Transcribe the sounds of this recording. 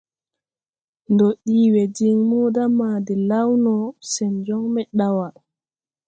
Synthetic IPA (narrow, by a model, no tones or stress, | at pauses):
ndɔɗiːwɛd͡ʒiŋmuːdamaːdɛlawnɔsɛnd͡ʒɔŋmɛɗawa